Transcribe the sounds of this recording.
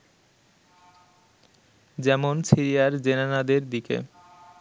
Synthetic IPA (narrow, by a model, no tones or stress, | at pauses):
d͡ʑɛmonsiɾijaɾd͡ʑenanad̪eɾd̪ikḛ